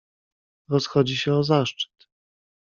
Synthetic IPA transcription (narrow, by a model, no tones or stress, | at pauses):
ɾɔsxɔd͡ʑiɕɛɔzaʂt͡ʂɘ̥t̪